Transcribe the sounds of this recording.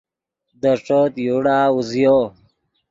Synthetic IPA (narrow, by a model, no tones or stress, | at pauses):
d̪əʂot̪juɽaːuzjo